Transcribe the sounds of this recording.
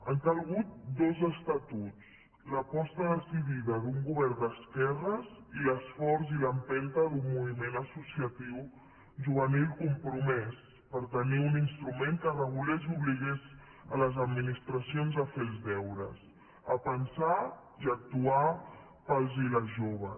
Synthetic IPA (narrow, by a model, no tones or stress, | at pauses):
əŋkəlˠɣ̞ut̪̚d̪ozəst̪at̪ut͡s | ləpɔst̪əðəsiβiðəðuŋɡuβɛɾnd̪əskɛrəziləsfɔɾziləmpɛnt̪əðummːuβimenəsusiət̪iw | ʒuβənilˠkumpɾumɛs | pəɾt̪əniuninst̪ɾumeŋkərəɣ̞ulezuβliɣ̞ez | ələzəd̪minist̪ɾəsionzəfelˠzdɛwɾə̰s | əpənsa | iək̚t̪ua | pəlˠziləʒoβ̞ə